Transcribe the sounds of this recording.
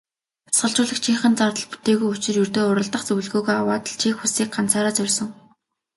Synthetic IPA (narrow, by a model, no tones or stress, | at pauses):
t͡sḁsχə̆ɬt͡ɕʊːɮə̆kt͡ɕʰiːŋχə̆nt͡sart̪ə̆ɮpu̥t̪eːɣujut͡ɕɪ̆rjɵrt̪oːʊɾə̆ɮt̪ə̆χt͡sɵw̆ɮɣoːɣojawaːt̪ə̆ɮt͡ɕʰiːxusiːk̚ɢan̥t͡saːɾaːt͡sɵrʲsɞ̆ŋ